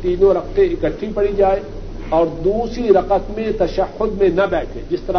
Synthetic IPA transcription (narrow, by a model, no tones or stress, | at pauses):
t̪iːnõɾɐq̚t̪eɪkəʈʰːipɐɽid͡ʒaːe | ɔːɾd̪uːsɾiɾɐqət̪mẽt̪ɐʃəhːʊd̪mẽnɐbɛːʈʰẽːd͡ʒɪst̪ɐɾa